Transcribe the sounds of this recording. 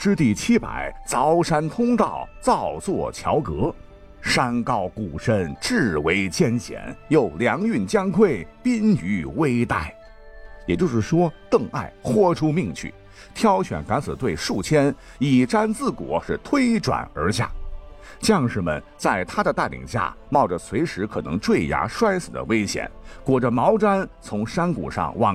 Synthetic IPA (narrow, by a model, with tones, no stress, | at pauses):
ʈ͡ʂɻ̩˥t̪i˥˩t͡ɕʰi˥pa̰˨˩˦ɪt͡sɑ˧˥ʊʂa˥nt̪ʰʊ˥ŋt̪ɑ˥˧˩ʊt͡sɑ˥˧ʊt͡swɔ̰˥˩t͡ɕʰjɑ˧˥ʊkɤ˧˥ | ʂa˥nkɑ˥˩ʊku˨˩ʂə˥nʈ͡ʂɻ̩˥˩we˧˥ɪt͡ɕjɛ˥˧nɕjɛ̰˨˩˦njo˥˩ʊljɑ˧˥ŋy˥˩nt͡ɕjɑ˥ŋkʰwe˥˩ɪpi˥ny˧˥we˥ɪt̪a˥˩ɪ | jɛ˨˩t͡ɕjo˥˧ʊʂɻ̩˥˩ʂwɔ˥t̪ɤ˥˧ŋa̰˥˩ɪxwɔ˥ʈ͡ʂʰu˥mi˥˧ŋt͡ɕʰy̰˥˩ | t̪ʰjɑ˥ʊɕɥɛ̰˨˩nka˧˥nt͡sɹ̩˨˩t̪we˥˧ɪʂu˥˩t͡ɕʰjɛ˥n | i˨˩ʈ͡ʂa˥nt͡sɹ̩˥˩kwɔ̰˨˧˥ʂɻ̩˥˩t̪ʰwe˥ɪʈ͡ʂwa̰˨˩nə̰˞˧˥ɕja̰˥˩ | t͡ɕjɑ˥˧ŋʂɻ̩˥˩mə̰˨˩n | t͡sa˥˩ɪt̪ʰa˥d̪ə˨t̪a˥˩lḭ˨˩ŋɕja̰˥˩mɑ˥˩ʊʈ͡ʂə˩sʰwe˧˥ɪʂɻ̩˧˥kʰɤ˨˩nɤ̰˧˥ŋʈ͡ʂwe˥˩ɪja̰˧˥ʂwa˥ɪsɹ̩˨˩d̪ə̰˦we˥ɪɕjɛ̰˨˩˦nkwɔ˨˩ʈ͡ʂə˦mɑ˧˥ʊʈ͡ʂa˥nt͡sʰʊ˧˥ŋʂa˥nkṵ˨˩ʂɑ̰˥˧ŋwɑ̰˥˩ŋ